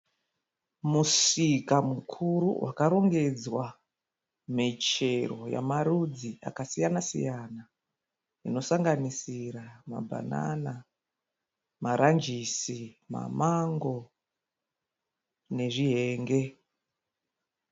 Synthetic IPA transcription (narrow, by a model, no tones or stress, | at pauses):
musikamukʰuɾuwakaɾo̞ŋɡe̞d͡zwa | mit͡ʃe̞ro̞̰ja̰maɾud͡zia̰kasijanasḭjana | ino̞saŋɡanisiɾama̰bʱa̰na̰na | maɾʔand͡ʒisima̰maŋɡo̞ | ne̞ʐiɦe̞ːŋɡe̞